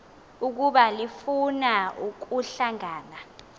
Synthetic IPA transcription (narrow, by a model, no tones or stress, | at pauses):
uk̬uɓalifunauk̬uɬaŋaːna